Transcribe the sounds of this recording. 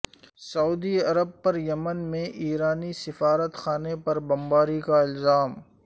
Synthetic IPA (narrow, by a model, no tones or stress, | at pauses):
sɐuːd̪iɐɾəb̚pɐɾjɐmənmẽʔiːɾaːnisɪfaːɾət̪xaːnepɐɾbɐ̃mbaːɾikaɪlzaːm